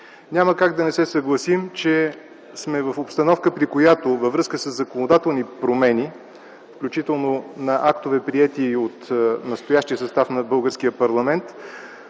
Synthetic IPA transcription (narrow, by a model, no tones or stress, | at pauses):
nʲaməkaɡd̪ɐnɛsɛsəɡlˠɐsimt͡ʃɛ | smɛvəfopst̪ɐnɔfkəpɾikojat̪ovəvɾɤskəsəzːɐkonod̪at̪ɛlˠnipɾomɛni | fklʲut͡ʃit̪ɛlˠnonɐʔak̚t̪ovɛpɾiɛt̪iot̪nɐst̪ojaʃt̪ijəsɐst̪afnɐbɤlˠɡəɾskijəpɐɾlˠɐmɛnt̪